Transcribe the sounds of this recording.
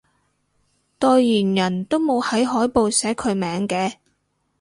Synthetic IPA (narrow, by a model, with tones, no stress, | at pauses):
t̪ɔː˧jːyː˨˩njɐ˨˩nt̪o˥wmo˨˧whɐ˨˥jɦɔː˨˥jpo˨wsɛː˨˥kʰɵ˨˧ɥmɛː˨˧ŋkɛː˧